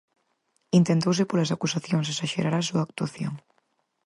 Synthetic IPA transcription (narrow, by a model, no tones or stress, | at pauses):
int̪ent̪ows̬epolɐsakusaθjoŋsesaʃeɾaɾasuaːk̚t̪aθjo̰ŋ